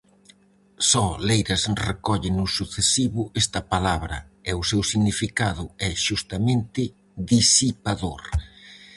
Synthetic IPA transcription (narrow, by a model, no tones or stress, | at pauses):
sɔlejɾɐsrekɔʎɪnʊsuθesiβʊest̪ɐpalaβɾɐ̰ɛʊsewsiɣnifikaðʊɛʃust̪ɐmẽnt̪ɪ | ðisipaðoɾ